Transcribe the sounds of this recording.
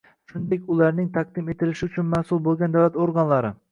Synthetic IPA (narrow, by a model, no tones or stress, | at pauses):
ʃʊnd̪ekʲʊlˠaɾnɪŋt̪ʰaq̚d̪ɪmet̪ɪlɪʃɪʊt͡ʃʰʊnmæhsulˠbolˠɡʲand̪awlat̪oɾɡɑnlˠɑɾɪ